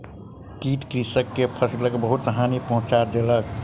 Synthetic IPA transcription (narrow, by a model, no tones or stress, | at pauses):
kiʈ̪kɾisəkːepʰəsləkbəɦut̪ɦanipəɦʊ̃t͡ʃaɾd̪elək